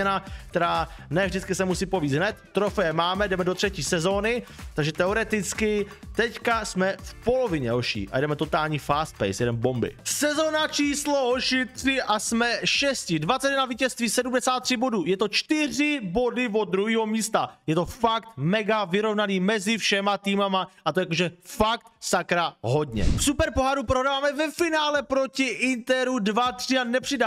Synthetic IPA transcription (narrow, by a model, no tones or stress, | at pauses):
ɛnakt̪ɛɾaːnɛvʒdɪt͡skɪsɛmusiːpoviːd̪ɦnɛt̪ːɾofɛjɛmaːmɛdɛmɛdot̪r̥ɛciːsɛzo̞ːnɪt̪aɡʒɛt̪ɛoɾɛt̪ɪt͡skɪ | t̪ɛckasmɛfpo̞lo̞vɪɲɛɦoʃḭːʔa̰jdɛmɛt̪o̞t̪aːlɲiːfaːst̪̚pɛ̰jsjɛdɛmbo̞mbɪ̰sɛzoːnat͡ʃiːsloɦoʃɪt̪r̥ɪʔasmɛʃɛscɪdvat͡sɛɛnaviːcɛst̪viːsɛdumdɛsaːt̪̚ːr̝̥ɪbo̞duːjɛt̪o̞t͡ʃt̪ɪrɪbo̞dɪvod̪ɾuɦiːɦo̞miːst̪ajɛt̪o̞fakt̪mɛɡavɪɾo̞vnaniːmɛzɪfʃɛmat̪iːmamaʔat̪ojakoʒɛfak̚t̪sakɾaɦo̞dɲɛ̰fsupɛɾpo̞ɦaɾupɾodavaːmɛvɛfɪnaːlɛpɾocɪʔɪnt̪ɛɾudvat̪r̥ɪanɛpr̥ɪda